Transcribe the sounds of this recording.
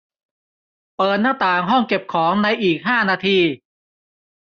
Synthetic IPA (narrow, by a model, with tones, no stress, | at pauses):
pɤː˨˩t̪̚naː˥˩t̪aː˨˩ŋɦɔ˥˩ŋke˨˩p̚kʰɔː˩˦ŋna˧jʔiː˨˩k̚ɦaː˥˩naː˧t̪ʰiː˧